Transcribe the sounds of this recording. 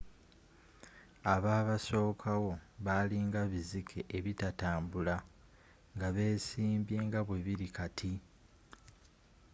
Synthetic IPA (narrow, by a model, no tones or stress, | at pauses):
aβaːβaso̞ːkʰawo̞βaːliŋɡaβizikʰe̞ʔeβitataːmbula | ŋɡaβe̞ːsiːmbje̞ːŋɡaβwe̞βiɾikatʰi